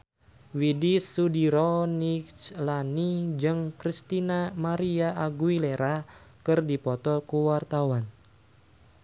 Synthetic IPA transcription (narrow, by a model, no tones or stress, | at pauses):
widisudiɾɔnikt͡ʃlanid͡ʒɨŋkɾist̪inamaɾiaʔaɡuileɾakɨrdipɔt̪ɔkuwart̪awan